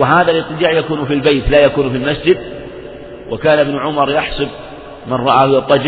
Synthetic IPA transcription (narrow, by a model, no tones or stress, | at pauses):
wɪɦaːðalʔɪɨt̪ˤːɪd͡ʒaːʕjakuːnfilbejt̪laːjakuːnfilmasd͡ʒɪd̪ | wʔakaːnɪbnʊʕʊmɑɾˤjaħsˤʊb̚ | manrˤɑʔaːhjɑt̪ˤːɑd͡ʒɪ